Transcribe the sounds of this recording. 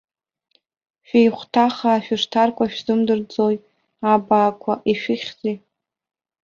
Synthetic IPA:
ʃᶣejχʷtʰaχaːʃᶣɪʂtʰarkʷʰaʃᶣzɨmdɨrd͡zoj | abaːkʷʰaʔiʃᶣɪχʲzi

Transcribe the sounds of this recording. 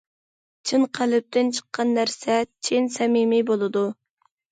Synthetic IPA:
t͡ʃʰɨnqʰælɪp̚t̪ʰɪnt͡ʃʰə̥qːɑnːæɾsɛt͡ʃʰɪnsɛmimɪbolˠɨd̪u

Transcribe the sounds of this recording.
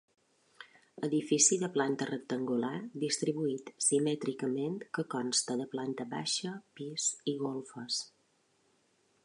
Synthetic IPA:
əðifisiðəplant̪ərək̚t̪əŋɡulaɾd̪ist̪ɾiβuit̪simɛt̪ɾikəment̪kəkɔnst̪əðəplant̪əβa̰ʃəpisiɣolˠfəs

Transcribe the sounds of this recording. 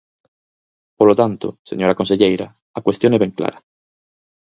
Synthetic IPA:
polot̪ant̪ʊ̰seɲoɾakõnseʎejɾa | akwest̪jonɛβeŋkla̰ɾa

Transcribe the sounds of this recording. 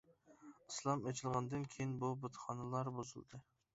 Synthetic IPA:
ɨslˠɑmet͡ʃʰɪlˠʁɑnd̪ɨnkʲʰejinbubɨt̪χɑnalˠɑɾbozɨ̰lˠd̪ɨ

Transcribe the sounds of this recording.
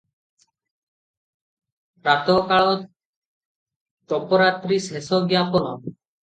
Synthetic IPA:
ɾat̪ɔkaɭɔ | t̪ɔpɔɾat̪ɾisesɔɡjapɔnɔ̰

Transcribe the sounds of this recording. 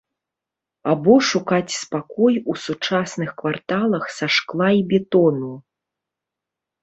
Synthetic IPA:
abɔʂukat͡sʲspakɔjusut͡ʂasnɨxkvart̪alˠɐxsaʂklˠajbʲɛt̪ɔnu

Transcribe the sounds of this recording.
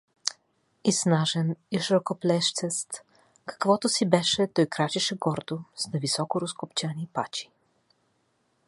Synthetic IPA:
isnaʒɛniʃɾɔkoplɛʃt̪sɛst̪ | kḁkvɔt̪osibɛʃɛt̪ɔjkɾat͡ʃɛʃɛɡɔɾd̪osnavisɔkoɾoskopt͡ʃanipa̰t͡ʃi̥

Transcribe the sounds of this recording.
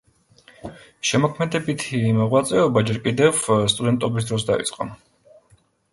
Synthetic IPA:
ʃɛmɔkʰmɛd̪ɛbit̪ʰimɔʁwat̪sʼɛɔbad͡ʒɛɾkʼid̪ɛvst̪ʼud̪ɛnt̪ʼɔbis̬d̪ɾɔs̬d̪aḭt̪sʼqʼɔ̰

